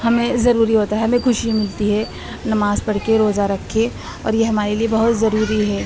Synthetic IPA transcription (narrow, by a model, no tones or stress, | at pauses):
hɐmẽzɐɾuːɾiɦoːt̪aɦɛɦɐmẽkʰʊʃimɪlt̪iɦɛ | nɐmaːzpɐɽ̤keɾoːzaɾɐkʰːe | ɔ̰ːɾjeɦɐmaːɾeliebɐɦʊt̪zɐɾuːɾiɦɛː